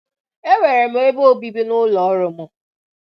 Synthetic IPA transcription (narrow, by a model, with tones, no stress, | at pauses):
e˦we˨ɾe˨m̩˦e˦e˦bo˦bi˦bi˦nʊ˦lɔ˨ɔ˦ɾʊ˨mʊ˦